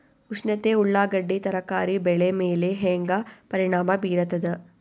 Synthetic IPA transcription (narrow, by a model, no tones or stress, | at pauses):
uʂnɐt̪euɭːaːɡɐɖːit̪ɐɾɐkaːɾibɛɭemeːleɦeːŋɡapɐɾiɳaːmɐbiːɾɐt̪ɐd̪ɐ